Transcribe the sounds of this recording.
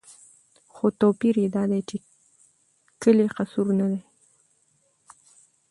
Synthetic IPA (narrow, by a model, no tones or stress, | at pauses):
xot̪opiɾjed̪ɑd̪ajt͡ʃe | kəleqasuɾnad̪ej